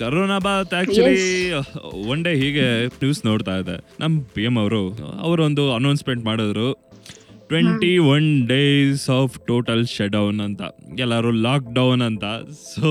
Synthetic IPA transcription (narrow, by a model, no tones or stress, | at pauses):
kɐɾoːnaːbat̪aːk̚t͡ʃuli | ɐɳɖeɦiːɡenjuːsno̞ːɽt̪aːjd̪ḛnʔɐmːpijemɐʋɾuɐ̰ʋɐɾond̪uɐnɐːnsmeɳʈmaːɽod̪ɾu | ʈʋeɳʈiʋɐnɖeːsaːpʰʈoːʈɐlʃɐɖɐwnɐnt̪ɐ̰ɛlːaːɾulaːk̚ɖɐwnɐnt̪ɐso